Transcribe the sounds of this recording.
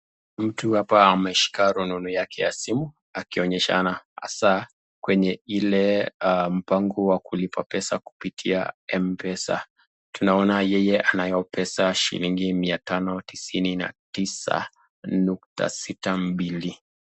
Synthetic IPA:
m̩tuhapaːmɛʃi̥kaɾununujakʰɛjasimu | akiɔɲɛʃa̰naha̰sa | kwɛɲɛilɛm̩paŋɡɔwakulipapɛsaku̥pitʰia̰ɛmpɛsa̰ | tunaɔnajɛjɛʔanajɔpɛsaʃḭliŋɡimiatanɔtisinina̰tisa̰ | nuk̚ta̰sitambili

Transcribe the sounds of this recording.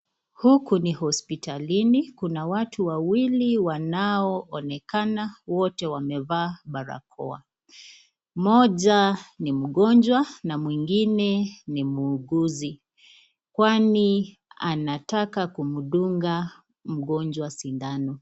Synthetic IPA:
hukunihɔspitʰalinikunawatʰuwawiliwanaɔʔɔnɛkanawɔtɛwamɛvaːɓaɾa̰kʰɔ̰a̰ | mɔʄanim̩ɠɔnd͡ʒwanamwiŋɡinɛnimuːɡuzi | kwani | a̰natakakumuɗuŋɡa | m̩ɠɔnd͡ʒwasindanɔ

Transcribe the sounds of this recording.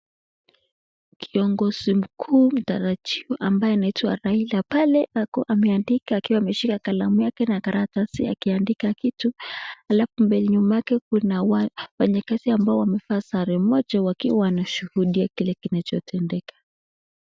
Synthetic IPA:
kʰiɔŋɡɔz̥im̩kʰuːm̩taɾatiuʔambajɛnaitwaɾailapalɛʔakɔʔamɛandikaːkiwaːmɛʃikakalamujakɛnakaɾatasia̰kiandikakituhalafumbɛliɲumajakɛkunawwɛɲɛkasiambaɔwamɛfaːsaɾɛmɔd͡ʒawakiwaaanaʃuhuɗiakilɛkinat͡ʃɔtʰɛndɛkḁ

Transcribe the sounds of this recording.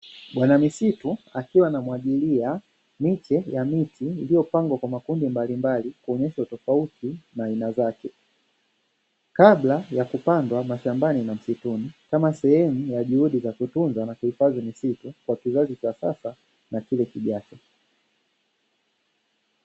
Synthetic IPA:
ɓwanamisituakiwanamuwaʄilia | mit͡ʃɛjamitʰiːlijɔpaŋɡwakwamakundimbalimbalikuɔɲɛʃautɔfautinaːinazakɛ | kaɓlajakupandwamaʃambaninam̩situnikamasɛhɛmujaʄuhuɗizakutunzanakuifazimisitukwakizazit͡ʃasa̰sa | nakilɛkiʄat͡ʃɔ

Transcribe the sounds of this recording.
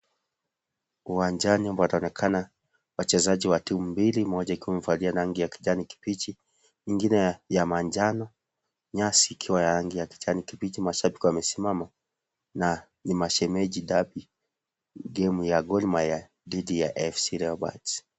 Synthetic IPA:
uwaɲd͡ʒaniambawataɔnɛkʰana | wat͡ʃɛzaʄiwatimumbilimɔd͡ʒaikiwamɛm̩falianaŋɡijaki̥ʄaniki̥pit͡ʃi | iŋɡinɛjamaɲd͡ʒanɔ | ɲasiːkʰiwajaɾaŋɡijaki̥ʄanikipit͡ʃimaʃabikuwamɛsimama | na | nimaʃɛmɛʄiɗabi | ɡɛmujaɡɔlmaja | didijaʔɛfsiɾɛɔba̰ts

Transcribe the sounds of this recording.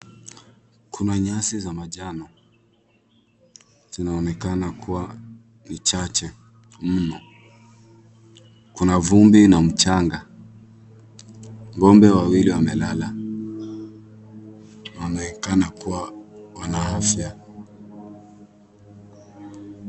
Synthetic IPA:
kʰunaɲasizamaʄanɔ | z̥inaɔnɛkanakuwa | nit͡ʃat͡ʃɛ | m̩nɔ | kunavumbinam̩t͡ʃaŋɡa | ŋɡɔmbɛwawiliwamɛlala | nawanaɛkanakuwawanaafja

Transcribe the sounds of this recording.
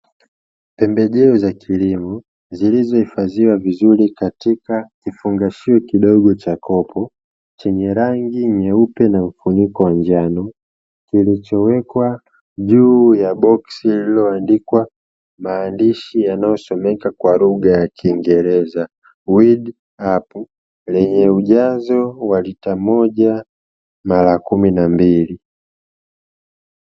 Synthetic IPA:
pɛmbɛʄɛɔzakʰilimɔ | zilizɔhifaziwavizuɾikatikakifuŋɡaʃiɔkiɗɔɠɔt͡ʃakɔpʰɔ | t͡ʃɛɲɛɾaŋɡiɲɛupɛnaɱ̩funikɔwand͡ʒanɔ | kilit͡ʃɔwɛkwa | ʄuːjabɔksililɔandikwa | maːndiʃijanajɔsɔmɛkakwaluɡajakiːŋɡɛɾɛza | wid | apu | lɛɲɛuʄazɔwalitamɔʄa | malakuminambili

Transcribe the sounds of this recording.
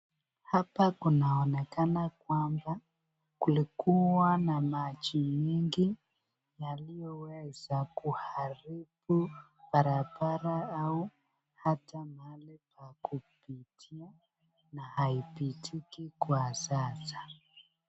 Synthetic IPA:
hapakunaɔnɛkanakwamba | kulikuwanamat͡ʃimiŋɡi | jalijɔwɛzakuhaɾibub̥aɾabaɾaau | hatamalipakupitʰia | nahaipitʰikikwasasḁ

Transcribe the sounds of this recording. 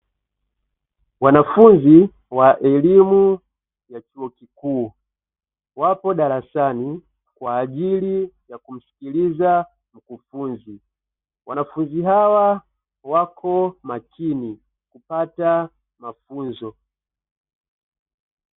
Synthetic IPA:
wanafunzi | waʔɛlimu | jat͡ʃuɔkikuː | wapɔɗaɾasani | kwaːʄilijakum̩si̥kiliza | m̩kufunzi | wanafunziɦawa | wakʰɔmakʰini | kupata | mafunzɔ

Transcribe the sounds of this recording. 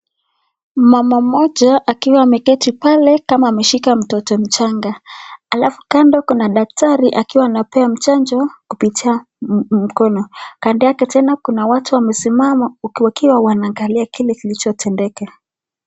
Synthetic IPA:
mamamɔʄaʔakiwaːmɛkɛtipalɛkamaːmɛʃikam̩tɔtɔm̩t͡ʃaŋɡaalafukandɔkunaɗak̚taɾiʔakiwaːnapɛam̩t͡ʃand͡ʒɔkupitʰia | m̩kɔnɔkandijakɛtɛnakunawatuwamɛsimamauwakiwawanaːŋɡaliakilɛkilit͡ʃɔtʰɛndɛka

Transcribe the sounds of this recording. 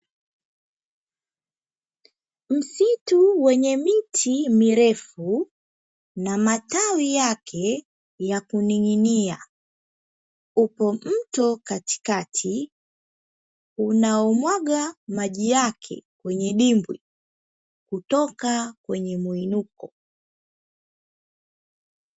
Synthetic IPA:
m̩situwɛɲɛmitʰimiɾɛfu | namatawijakʰɛ | jakuniŋinia | upɔm̩tɔkati̥katʰi | unaɔmwaɠamaʄijakʰɛ̰kwɛɲɛɗimbwḭ | kutɔkakwɛɲɛmuinukɔ

